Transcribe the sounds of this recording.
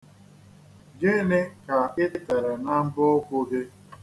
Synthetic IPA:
d͡ʒe˦nɪ˦ka˨ɪ˦te˨ɾe˨na˦m̩˦bʊ˦kʷʊ˦de˦

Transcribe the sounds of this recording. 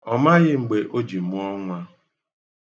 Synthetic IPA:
ɔ˨ma˦ɣɪ˦ŋ͡m̩˨ɡ͡be˨ʔo˦d͡ʒi˨m˦ɔ˦ŋʷa˦

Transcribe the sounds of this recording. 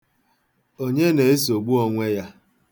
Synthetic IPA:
o˦ɲe˦ne˨e˦s̬o˨ɡ͡bu˦ɔ˦ŋʷe˦ja˦

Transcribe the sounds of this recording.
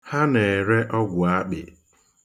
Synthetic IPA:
ha˦ne˨ɾe˦ʔɔ˦ɡʷʊ˨a˦k͡pɪ˨

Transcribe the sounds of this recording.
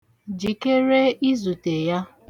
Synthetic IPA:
d͡ʒi˨ke˦ɾe˦i˦zu˨te˨ja˦

